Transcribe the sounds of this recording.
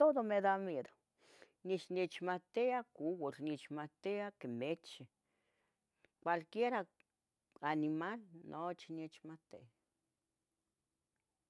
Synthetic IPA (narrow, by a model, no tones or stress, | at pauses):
t̪oðomeðamed̪o | nit͡ʃnit͡ʃmat̪eakuwoɾnit͡ʃmat̪eakemet͡ʃi | kʷalkjeɾa | animalnʔot͡ʃinet͡ʃmat̪ea